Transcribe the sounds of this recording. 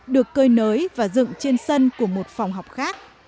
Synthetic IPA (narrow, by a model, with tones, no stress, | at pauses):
ɗɨ˨˩əkːəː˧jnəː˨˦jvaː˨˩zɨ̰˧˨ŋt͡ɕe˧nsə˧nku˧˩əmo˨˩t̚fa˨˩wŋ͡mɦa˨˩wk͡p̚xaː˦˥k̚